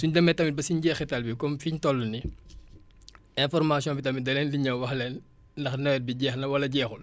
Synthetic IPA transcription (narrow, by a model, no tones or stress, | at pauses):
suɲdɐmɛtɐmibɐsiɲɟɛːxɛtɐlbikɔmfiɲtɔlːuni | ɛ̃fɔrmaːsjɔ̃nbitɐmidɐlɛnliɲɐwwɐxlɛnː | dɐxnɐwɛt̚biɟɛːxnɐwɐlɐɟɛːxul